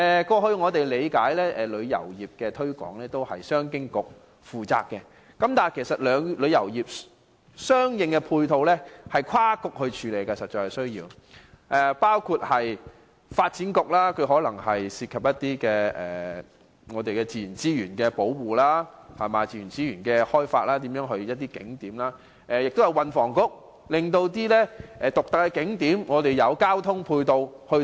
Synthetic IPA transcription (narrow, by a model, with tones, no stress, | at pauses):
ɛː˨kɔː˧hɵ˧ɥŋɔː˨˧t̪e˨jle˨˧jkaː˨˥jlɛː˥ʔɛː˨lɵ˨˧ɥjɐ̰˨˩wjiː˨p̚kɛː˧t̪ʰɵ˥ɥkɔ̰ː˨˥ŋlɛː˥t̪o˥whɐ̰˨jsœː˥ŋkɪ˥ŋkʊ˨k̚ | fuː˨˩t͡sa̰ː˧k̚kːɛ˧ | kɐ˨˦mt̪aː˨nkʰe˨˩sɐ˨t̚lœː˨˧ŋlɵ˨˧ɥjɐ˨˩wjiː˨p̚ | sœː˥ŋjɪ˨˧ŋkɛ˧pʰuː˧jt̪ʰo˨˧wlɛː˥hɐ˨jkʷʰwaː˥kʊ˨k̚hɵ˧ɥt͡ʃʰyː˨˧le˨˩jkɐ˧sɐ˨t̚t͡ʃːɔː˧jksɵ˥ɥjiː˧w | ʔɛ˨paː˥wkʰuː˧t̚hɐ˨j | faː˧t̚t͡si˨˥nkʊ˧k̚laː˥kʰɵ˨˧ɥɦɔː˨˥lɐ˨˩ŋɦɐ˨jsiː˧t̚kʰɐ˨˩p̚jɐ˥t̚t̪iː˥kɛː˧ʔɛ̰ː˨ | ŋɔː˨˧t̪e˨jkɛː˧t͡siː˨˩jy˨˩nt͡siː˥jyː˨˩nkɛː˧po˨˥wwuː˨laː˥hɐ˨˩maː˨˧t͡siː˨˩y˨˩nt͡siː˥ɥyː˨˩nkɛː˧hɔː˥jfa̰ː˧t̚laː˥t̪̬iː˨˥mjœː˨˧˥ŋɦɵ˧ɥjɐ˥t̚t̪iː˥kɪ̰˨˥ŋt̪iː˨˥mlaː˥ | ʔɛ˨jɪ˨k̚t̪o˥wjɐ˨˧wɐ˨˧nfɔː˨˩ŋkʊ˧˥k̚ | lɪ˨ŋt̪o˧wt̪iː˥lɛː˥ʔɛː˨˧t̪ʊ˨k̚t̪ɐ˨kːɛ˧kɪ˨˥ŋt̪iː˨˥mŋɔː˨˧t̪e˨jɐ˨˧wkaː˥wt̪ʰʊ˥ŋpʰuː˧jt̪o˧w | hɵ˧